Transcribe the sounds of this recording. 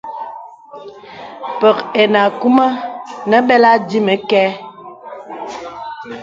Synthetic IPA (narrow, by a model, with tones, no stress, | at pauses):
pə˨ke˨na˨ku˦ma˦nə˦ɓɛ˦la˦di˦mə˨kɛ˦